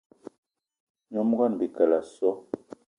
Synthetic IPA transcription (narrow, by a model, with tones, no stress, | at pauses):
ɲɔ˦m˦ɡa˦˨n˨bi˨ka˨la˨sɔ˦